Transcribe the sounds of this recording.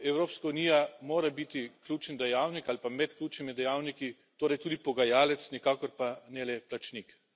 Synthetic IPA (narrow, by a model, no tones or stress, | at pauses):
ɛwɾoːpskauniːjamoːɾabit̪iklʲuːt͡ʃənd̪ɛjaːwnikalpamɛt̪klʲuːt͡ʃnimid̪ɛjaːwniki | t̪oːɾɐjt̪uːd̪ipɔɡajaːlɛt̪snɛkaːkɔɾpanɛlɛplat͡ʃnik